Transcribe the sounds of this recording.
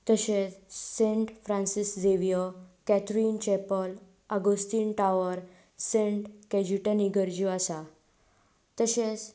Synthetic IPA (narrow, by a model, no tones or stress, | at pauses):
t̪əɕet͡ssẽɳʈfɾãnsisd͡zeʋijəkɛt̪ɾiːnt͡ɕɛpəl | əɡost̪iːnʈaʋəɾ | sẽɳʈkɛd͡ʑuʈəniɡəɾd͡ʑuasa | t̪əɕet͡s